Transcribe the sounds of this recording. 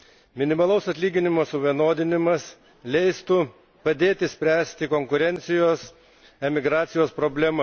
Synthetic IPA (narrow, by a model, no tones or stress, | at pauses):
mʲɪnʲɪmɐlˠɐʊsɐt̪ʲlʲiːɡʲɪnʲɪmoːsʊʋʲiɛnoːd̪ʲɪnʲɪmɐs | lʲɛɪst̪u | pɐd̪ʲeːt̪ʲɪsʲpʲɾʲæːsʲt̪ʲɪkoŋkʊɾʲɛnʲt̪sʲɪjoːs | ɛmʲɪɡɾɑːt̪sʲɪjoːspɾoːbʲlʲɛmɐ